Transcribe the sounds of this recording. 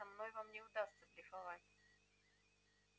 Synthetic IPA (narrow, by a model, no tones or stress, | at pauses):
ɐmnojvamnʲɪʊd̪ast̪səbɾʲɪfɐvatʲ